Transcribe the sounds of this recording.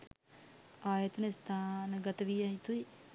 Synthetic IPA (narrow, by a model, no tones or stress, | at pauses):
aːjɐt̪ənəst̪ʰaːnəɡɐt̪ɐʋijaɦit̪ui